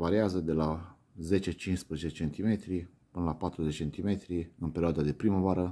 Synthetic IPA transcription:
vaɾiazəd̪e̞la | ze̞t͡ʃe̞t͡ʃinspɾəzet͡ʃet͡ʃe̞nt̪ime̞t̪ɾi | pɨnəlapat̪ɾuzet͡ʃe̞nt̪ime̞t̪ɾiɨnpeɾioad̪ad̪e̞pɾiməvaɾə

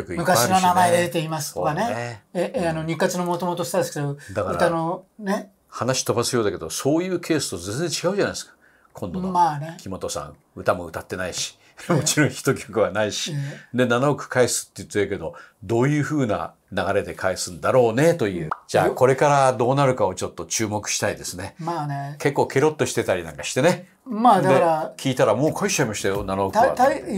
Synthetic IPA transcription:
kokɯimɯ̟kainonamaed̪ed̪et̪e̞imasɨ̥oaneeeanoɲ̟ikːat͡sɨnomot̪o̞mot̪ost̪ad̪esɨ̥ked̪od̪akaɾɯɾt̪anone | hanaɕi̥t̪o̞basɨjo̞ːd̪aked̪o̞so̞ːjɯ̟ːkʰe̞ːsɨ̥t̪ozend͡zẽ̞ɲt͡ɕiɡaɯ̟ʑanai̥skḁ | kʰõ̞nd̪oomanekʲimo̞t̪o̞sã̰ŋ | ɯ̟t̪amo̞ɯ̟t̪at̪ːe̞naiɕi̥ | mo̞t͡ɕiɾõɰ̃çi̥t̪o̞kʲokɯ̟βanaiɕid̪e̞nanookɯ̟̥kaesɨ̥t̪ːejɯt̪ːeke̞d̪o̞d̪o̞ːjɯ̟ːɸɯ̟ːna̰ | naɡaɾe̞d̪e̞kʰaesɨ̃nd̪aɾo̞ːne̞t̪o̞jɯ̟̰ːd͡ʑa̰ːko̞ɾe̞kaɾad̪o̞ːnaɾɯ̟kao̞t͡ɕo̞t̪ːo̞t͡ɕɨːmo̞kɯ̟̥ɕi̥t̪aid̪e̞sɨnemanke̞kːo̞ːkʰe̞ɾo̞t̪ːo̞ɕi̥t̪e̞t̪aɾʲinã̰ŋkaɕi̥t̪e̞ne̞ | mad̪eɾakʲʰiːt̪aɾamo̞ːkʰoit͡ɕːaimaɕit̪ajonanooka̰t

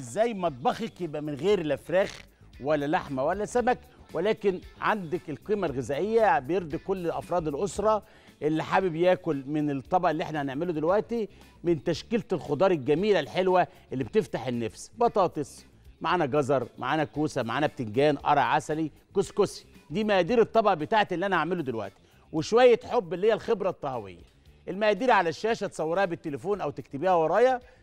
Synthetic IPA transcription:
ʔezːæːjːmɑt̪̚ˤbɑxekjebʔæmenɣeːɾelʔæfɾæːx | wælːælaħmæwælːæsæmæk | welæːkenʕa̰nd̪ækelqiːmælɣezæːʔejːæbejeɾd̪ikolːelʔɑfɾˤɑːd̪elʔosɾˤɑ | ʔelːiħabebjæːkolmɪnet̪ˤːɑbɑʔelːiʔeħnæhæneʕmelod̪elwæʔt̪i | mɪnt̪æʃkelt̪elxod̪ˤɑːɾˤelɡæmiːlælħelwæ | ʔelːibt̪eft̪aħenːæfsbɑt̪ˤɑːt̪ˤesˤ | maʕaːnæɡɑzɑɾˤmʔa̰ʕaːnækuːsæmaʕaːnæb̚t̪eŋɡæːnʔɑ̰ɾˤɑʕasæli | koskosi̥d̪iːmæʔæd̪iːɾet̪ˤːɑbʔɑbet̪aːʕet̪ʔelːiʔænæʔaʕmelod̪elwæ̰ʔt̪i̥ | weʃowæjːet̪ħobːelːihejːælxebɾæt̪ˤːɑhæwḛjːæ̰ | ʔelmæʔæd̪iːɾʕalæʃːæːʃæt̪sˤɑwːɑɾˤæːhæbet̪ːelefuːnʔæwt̪ekt̪ebiːhæwɑɾˤɑːjɑ

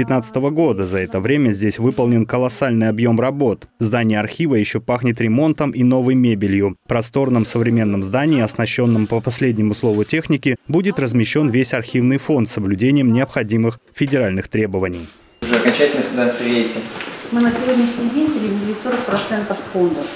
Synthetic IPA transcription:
ɪt̪nat̪sɨ̥t̪əvəɡo̞d̪əzɐɛt̪əvɾʲemʲəzʲdʲesʲvɨpəlˠnʲɪnkəlˠɐsalʲnɨjɐbjo̞mrɐbo̞t̪ | zd̪anʲɪjəɐrxʲivəjɪɕːo̞paxnʲɪt̪ɾʲɪmo̞nt̪əmʔino̞vɨjmʲebʲɪlʲjʊpɾɐst̪o̞rnəmsəvɾʲɪmʲe̞nːəmzd̪anʲɪːɐsnɐɕːo̞nːəmpəpɐsʲlʲedʲnʲɪmʊslˠo̞vʊtʲe̞xnʲɪkʲɪbudʲɪt̪rəzmʲɪɕːo̞nvʲesʲɐrxʲivnɨjfo̞nt̪səblʲʉdʲenʲɪjəmnʲɪɐpxɐdʲimɨxfʲɪdʲɪɾalʲnɨxt̪ɾʲe̞bəvənʲɪj | ʐɨɐkɐnt͡ɕɛtʲɪlʲnəsʲʊd̪apʲɪetʲɪmɨnəsʲɪvʲodʲnʲɪʂnʲɪjdʲenʲt̪ʲɪlʲɪvʲɪlʲɪt̪ʲsoɾək̚pɾɐt̪sɛnt̪əffond̪əf

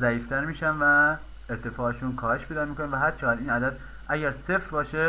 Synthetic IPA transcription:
zæiːft̪ʰæɾmiːʃænvæ | eɾt̪ʰe̞fɒːeʃunkʰɒːheʃpʰe̞jd̪ɒːmikʰonænvæɦæd̪̥̚t͡ʃʰæɡæd̪iːnæd̪æd̪ | ʔæɟæɾse̞fɾbɒːʃe

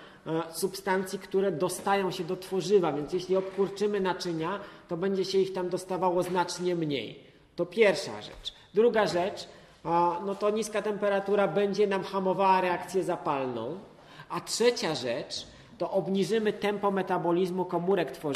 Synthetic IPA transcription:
supst̪ant̪sʲjikt̪uɾɛd̪ɔst̪ajɔ̃w̃ɕɛd̪ɔt̪fɔʐɘvavʲjɛnt̪sjɛɕlʲiɔpkuɾt͡ʂɘmɘnat͡ʂɘɲat̪ɔbɛɲd͡ʑɛɕɛixt̪amd̪ɔst̪avawɔznat͡ʂɲɛmɲḛj | t̪ɔpʲjɛɾfʂa̰ʐɛ̰t͡ʂ | d̪ɾuɡaʐɛt͡ʂ | nɔt̪ɔɲiskat̪ɛmpɛɾat̪uɾabɛɲd͡ʑɛnamxamɔvawaɾɛak̚t̪sʲjɛzapalnɔ̰̃w̃ | atʂɛt͡ɕaʐɛt͡ʂ | t̪ɔʔɔbɲiʐɘmɘt̪ɛmpɔmɛt̪abɔlʲizmukɔmuɾɛkt̪fɔ

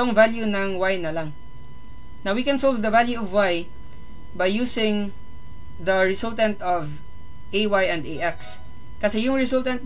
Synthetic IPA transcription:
oŋvaljunɐŋwajnɐlaŋ | nɐwikɛ̃nsolvd̪ɐvaljuɐvwaj | bɐjːuːsɪ̃ŋ | d̪ɐɹɪsult̪ɐnt̪ɔv | ʔejwajɐ̃nd̪ejʔɛks | kɐsɛjʊŋɹɪsʊlt̪ɐnt̪̚

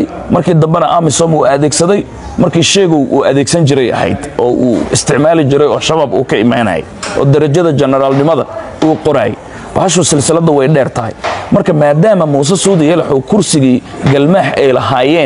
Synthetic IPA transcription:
mɐrkʰiːd̪ɐmbɛnɐʔɐmɪsɔːmuːɐðɛːɡsɐðɛj | mɐrkʰiːʃɛɣɔwʔṵːɐðɛːɡsɐnt͡ʃɪɾɛjɐ̰hɛ̰jd̪ɔːʔṵːɪ̰st̪ʰɪʕmaːlɪt͡ʃɪɾɛjɔːʃɐβaːbṵːkʰɐɪma̰ːnɐ̰ːjɛ̰ʔɔ̰ːd̪ɐɾɐd͡ʒɐðɐt͡ʃɛnɛɾaːlnɪmɐðɐ̰ | uːqɔɾa̰ːjɛ̰ | bɐ̰hɐʃ̬ʊsɪlsɪlɐðɐwɛjɖɛːrt̪ʰɐɦɛ̰jmɐrkʰɐmaːd̪aːmɐmuːs̬ɐsuːðjɛlɐħɔwkʰʊrsɪɣiːɡɐlmaːħɛjlɐɦaːjɛːn

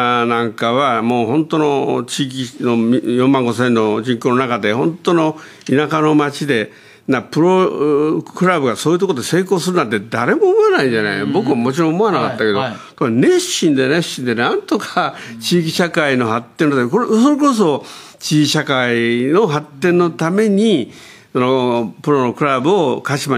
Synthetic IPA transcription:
nãŋkaβamo̞ːɦõ̞nt̪o̞no̞t͡ɕiːk̬ʲinojõ̞mːãŋɡo̞s̬ẽ̞nːo̞d͡ʑĩŋkoːno̞nakad̪e̞hõ̞nt̪o̞no̞ | inakano̞mat͡ɕid̪e̞ | napɯ̟ɾo̞ | kɯ̟ɾabɯ̟ɡaso̞ːjɯ̟t̪okood̪ese̞ːko̞ːsɨɾɯnat̪̬ːed̪aɾe̞moːmo̞enaĩɲd͡ʑana̰bo̞kɯ̟βamo̞t͡ɕiɾõːomo̞anakat̪ːake̞d̪o̞ | koenẽ̞ɕĩnd̪e̞nẽ̞ɕĩnd̪e̞nãnt̪o̞kʰat͡ɕiːkʲiɕakaino̞ɦat̪ːenot̪amkosoɾe̞kos̬o̞ | t͡ɕiːkʲiɕakaino̞ɦat̪ːẽ̞nːo̞t̪ame̞ɲ̟i | sonopɯ̟ɾo̞nokɯ̟ɾabɯ̟okaɕima

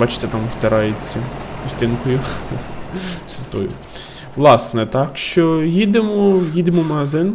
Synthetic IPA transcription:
bɑt͡ʃɪ̥t̪ɛt̪ɑmwt̪ɐɾɑjet͡sʲːɐkʊsʲt̪ɪnkɔjʊ | sʲʊt̪ɔjʊ̰ | ʋlˠɑsnɛt̪ɑkʃt͡ʃɔjid̪emɔjid̪emɔmɐɦɐzɪn

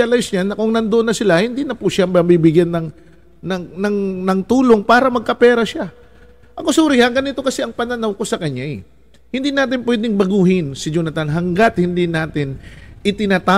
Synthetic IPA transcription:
alajsɲanːɐkoŋnɐnd̪oʔonːɐsɪlahɪnd̪inɐpʊʃambɐbibɪɡjanːɐŋ | nɐnɐŋnɐŋt̪uːlo̞ŋpaːɾɐmɐɡ̚kɐpɛːɾɐʃa | ʔɐko̞suːɾɪhɐŋɡɐnɪt̪o̞kɐsɛʔɐŋpɐnɐnɐwko̞sɐkɐɲːaɛ | hɪnd̪inaːt̪̬ɪnpwɛd̪ɪŋbɐɡuːhɪnsɪd͡ʒonɐt̪anɦɐŋɡat̪̚hɪnd̪inaːt̪ɪnʔɪt̪ɪnaːt̪a

